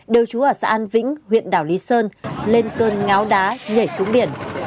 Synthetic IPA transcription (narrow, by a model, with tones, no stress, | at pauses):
ɗe˨˩wt͡ɕu˨˦ʔəː˧˩sa̰ː˧˥ʔaː˧nvḭ̈˧˥ŋ̟ɦwḭ˧˨ənɗaː˧˩wli˨˦səː˧nle˧nkəː˧nŋa˨˦wɗaː˨˦ɲə˧˩jsu˨˦ŋɓi˧˩ən